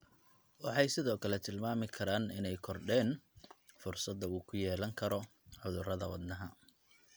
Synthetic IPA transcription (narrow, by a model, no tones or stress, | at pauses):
wɑħɑjsɪðɔːkʰɐlɛt̪ʰɪlmaːmɪkʰɐɾaːnɪnɛjkʰɔrɖɛːnfʊrsɐd̪ːɐuːkʰʊjɛːlɐŋkʰɐɾɔ | ʕʊðʊrɐðɐwɑd̪nɐɦɐ